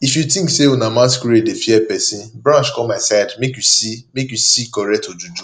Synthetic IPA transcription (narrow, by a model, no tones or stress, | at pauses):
ifjutĩkseunamãs̬kuɾedefjɛpɛsĩnbɾãnʃkɔmaɪsaɪdmekjusimekjusikɔɾɛk̚tod͡ʒud͡ʒu